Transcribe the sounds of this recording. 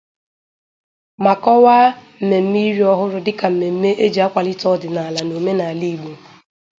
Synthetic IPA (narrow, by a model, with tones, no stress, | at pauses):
ma˨kɔ˦wa˦m̩˨me˨m̩˦mi˦ɾi˦ɔ˦ɦʊ˦ɾʊ˦dɪ˦ka˨m̩˨me˨m̩˦me˦ʔe˦d͡ʒi˨a˦kʷa˨lɪ˦tɔ˦˨dɪ˨na˨a˨la˨no˨me˦na˨a˨li˦˨ɡ͡bo˨